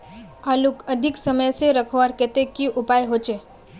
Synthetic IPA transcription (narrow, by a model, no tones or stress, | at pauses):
aːlukəd̪ʱɪksəməjseɾəkʰoaɾket̪ekiʔʊpaːjɦot͡ʃe